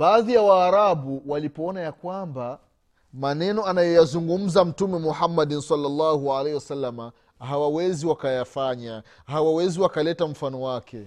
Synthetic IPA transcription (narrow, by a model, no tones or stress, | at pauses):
baːðijawaːɾabuwalipɔɔnajakwamba | manɛnɔanajɔjazuŋɡum̩zam̩tumɛmuhamːadinsalːalːahualehiwasalːama | hawawɛziwakajafaɲa | hawawɛziwakalɛtam̩fanɔwakɛ